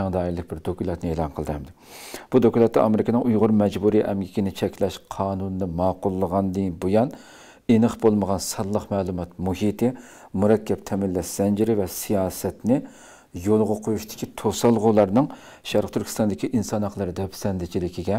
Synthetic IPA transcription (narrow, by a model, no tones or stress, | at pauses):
ɛŋd̪ɑːilːɪk̚ʲbɪɾd̪okʲʰulˠɑt̪nɪeːlˠɑnqʰəlˠd̪ɨɛmd̪ɪ | b̥ud̪okʲulˠɑt̪ːɑɑmɪɾɪkʲnɨŋʔujʁʊɾmɛd͡ʒbuɾiʔɛmɡʲikʲinɪt͡ʃʰɛkʲlɛʃqʰɑːnunɨd̪ɨmɑːqʊlˠːəʁɑnd̪ɨbojɑn | enɨχbolˠməʁɑnsɑllːˠəqmɛːlˠumɑt̪muɦit̪ɪ | muɾɛkʲʰːɛp̚t̪ʰɛmɪlːɛʃsɛnd͡ʒɪɾɪvɛsijɑːsɛt̪nɪ | jolˠʁɑqʰojuʃt̪ʰɪ̥kʲʰit̪ʰosɑlˠʁʊlˠɑɾnɨŋ | ʃæɾqt̪ʰyɾkʲi̥st̪ɑnd̪ɪkʲʰiʔinsɑnhɑqlˠɨɾɨd̪ɛpsɛnd̪ɪt͡ʃʰilɪkʲʰiɡʲɛ